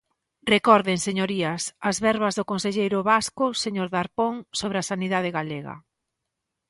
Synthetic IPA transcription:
rekɔɾðeŋseɲoɾiɐsɐzβɛɾβɐzðʊkonseʎejɾʊβaskʊseɲoɾðaɾpoŋsoβɾasaniðaðeɣaleɣɐ̰

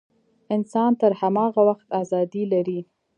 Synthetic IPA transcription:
ɪnsɑnt̪əɾhamɑɣawaxt̪ɑzɑd̪ilaɾi

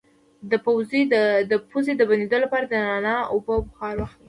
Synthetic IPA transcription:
d̪əpawzd̪əpuzed̪əbaned̪olapɑɾad̪ənɑnɑʊbəbxɑɾwaxt̪̚

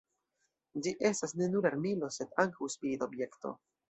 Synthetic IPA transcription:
d͡ʒiʔe̞stasne̞nuɾaɾmilo̞se̞d̪aŋkawspid̪obje̞kto̞̰

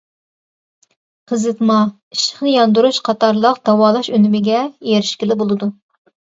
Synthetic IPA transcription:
qʰəzɨt̪mɑ | i̥ʃəχnɨjɑnd̪uɾuʃqʰɑt̪ʰɑɾlˠəqd̪̥ɑwɑːlˠɑʃynymɪɡʲɛjeɾɪʃkʲilɪbolˠɨd̪u

